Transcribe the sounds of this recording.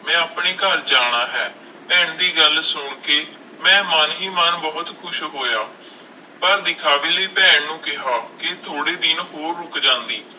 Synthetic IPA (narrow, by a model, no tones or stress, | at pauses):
mɛ̃ːaːpɳeːkəɾd͡ʒaːɽ̃aːɦɛː | pɛːɳd̪iːɡəlsʊɳkeː | mɛ̃ːmənɦiːmənbɔːʊt̪kʰʊʃɦoːjaː | pəɾd̪ɪkʰaːʋiːləiːpɛːɳnũːkɪɦaːkɪt̪ʰoːɽeːd̪ɪnɦoːɾːʊkd͡ʒãːnd̪iː